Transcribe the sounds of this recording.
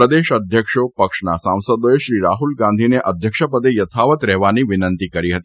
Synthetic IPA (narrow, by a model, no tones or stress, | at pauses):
ɾəd̪eʃəd̪ʱjəkʃopəkʂnasãw̃səd̪oeʃɾiɾaɦulɡãnd̪ʱineʔəd̪ʱjəkʃəpəd̪ejət̪ʰaʋət̪ɾɛɦʋaniʋɪnənt̪ikəɾiɦət̪i